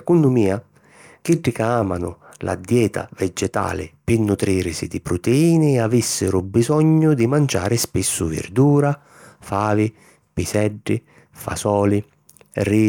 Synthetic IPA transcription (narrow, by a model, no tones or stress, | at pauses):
kunːʊmiːa | k̟iɖːikaaːmanʊ | lʔa̰d̪jɛːt̪a̰vɛd͡ʒɛt̪a̰ːlɪ̰pɪnːut̪ɾiːɾsid̪ipɾʊt̪eiːnɪavisːɪɾʊbizɔɲːʊd̪imant͡ʃa̰ːɾɪspisːʊvɪ̰rd̪uːɾa | faːvɪ | pisɛɖːɪ | fa̰sɔːli | ri